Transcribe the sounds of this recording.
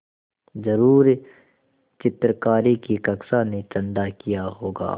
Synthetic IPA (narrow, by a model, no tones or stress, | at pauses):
zɐɾuːɾ | t͡ʃɪt̪ɾkaːɾikikɐksanet͡ʃɐ̃nɖ̪akijaɦoːɡa̰ː